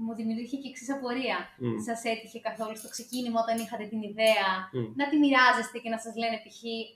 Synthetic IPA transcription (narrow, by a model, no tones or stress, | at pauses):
muðimit̪ɾiçeceksisɐpo̞ɾiɐsɐse̞t̪içe̞kɐθo̞lust̪o̞kse̞cinimɐot̪ɐnixɐt̪et̪iniðe̞ɐnɐt̪imiɾɐze̞st̪e̞ce̞nɐsɐzle̞nepiçi